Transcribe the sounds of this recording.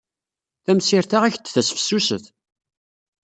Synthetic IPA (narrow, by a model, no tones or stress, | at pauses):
θæmsiɾθaʁæçt̪ːθæsfsːusəθ